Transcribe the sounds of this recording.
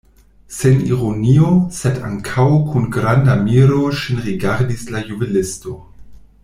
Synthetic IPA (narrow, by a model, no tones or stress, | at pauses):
senḭʁoniosɛda̰ŋkʰawkʰunɡɾandamiɾoʃinʁiɡaɾdislajubilɪsto